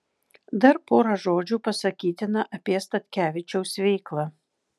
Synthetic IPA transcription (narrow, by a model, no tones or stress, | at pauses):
d̪ɐɾpoːɾɐʒoːd͡ʒʲuːpɐsɐkʲiːt̪ʲɪnɐʔɐpʲiɛst̪ɐt̪ʲkʲæːʋʲɪt͡ʃʲɛʊsʋʲɛɪklˠɐ